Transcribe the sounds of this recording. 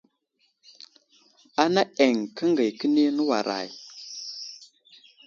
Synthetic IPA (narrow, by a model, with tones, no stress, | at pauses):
a˦na˦e˨ŋkə˦ŋɡə˨jkə˦ni˦nə˦wa̰˨ɾʔa̰˨j